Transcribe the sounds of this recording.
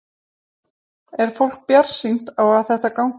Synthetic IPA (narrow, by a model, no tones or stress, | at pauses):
ɛɾ̥fowl̥k̚pjaɾ̥sint̪awaðθɛht̪akawŋ